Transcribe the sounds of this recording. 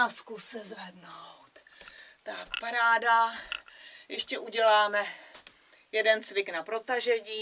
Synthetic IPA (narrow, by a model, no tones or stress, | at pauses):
askusːɛzvɛdnowt̪ | t̪akpaɾaːda | jɛʃcɛʔuɟɛlaːmɛ | jɛdɛnt͡svɪknapɾo̞t̪aʒɛɲiː